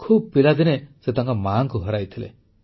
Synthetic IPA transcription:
kʰub̚pilad̪inesed̪ɔŋkɔmaːŋkuɦɔɾajt̪ʰilḛ

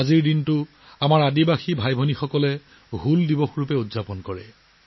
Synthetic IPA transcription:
aziɹdintʊ | amaɹadibaxibʱajbʱonixɔkɔlɛ | ɦuldibɔxɹupɛudzapɔnkɔɹɛ

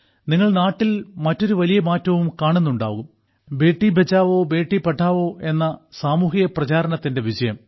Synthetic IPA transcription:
niŋːɐɭnaːʈːilmɐtːo̞ɾuʋɐlijɐmaːtːɐʋumkaːɳunːuɳɖa̰ːɣum | be̞ːʈːibet͡ɕːaːʋo̞ːbe̞ːʈːipɐʈʰːaːʋo̞ːʔe̞nːɐsaːmuːɦijɐprɐt͡ɕaːɾɐɳɐt̪ːinde̞ʋid͡ʑɐjɐm

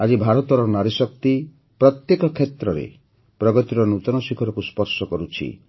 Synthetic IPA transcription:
ad͡ʒibʱaɾɔt̪ɔɾɔnaɾisɔk̚t̪i | pɾɔt̪jekɔkʰet̪ɾɔɾḛ | pɾɔɡɔt̪iɾɔnut̪ɔnɔsikʰɔɾɔkuspɔɾsɔkɔɾut͡ʃʰḭ

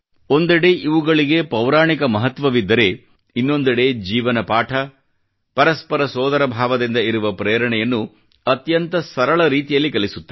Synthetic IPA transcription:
o̞nd̪ɐɽe̞ʔiʋuɡɐɭiɡe̞pɐwɾaːɳikɐmɐɦɐt̪ʋɐʋid̪ːɐɾe̞ | inːo̞nd̪ɐɽe̞d͡ʒiːʋɐnɐpaːʈʰɐ | pɐɾɐspɐɾɐsɔːd̪ɐɾɐbʱaːʋɐd̪ind̪ɐiɾuʋɐpɾɛːɐɾɐɳɛjɐnːu | ɐt̪jɐnt̪ɐsɐɾɐɭɐɾiːt̪ijɐlːikɐlisu̥t̪ːɐ

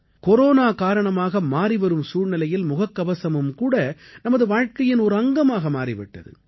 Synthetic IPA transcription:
kɔɾoːnaːkaːɾɐɳɐmaːɣɐmaːriʋɐɾɯmsuːɻnɪlɐjɪlmʊɣɐkːɐʋɐsɐmɯmkuːɽɐ | nɐmɐðɯʋaːɻkɐjɪnɔɾɯɐŋɡɐmaːɣɐmaːɾɪpɐʈːɐ̰ðɯ̰

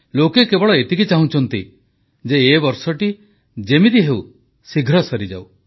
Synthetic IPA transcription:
lokekebɔɽɔet̪ikit͡ʃaɦũt͡ʃʰɔnt̪ḭ | d͡ʒeːbɔɾsɔʈi | d͡ʒemid̪iɦew | siɡʱɾɔsɔɾid͡ʒa̰w

